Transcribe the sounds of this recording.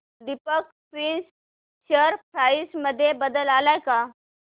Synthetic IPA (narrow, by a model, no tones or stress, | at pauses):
d̪ipək̚ | pɾins | ɕəɾpʰɾaisməd̪ʱːjebəd̪əlaːlaeka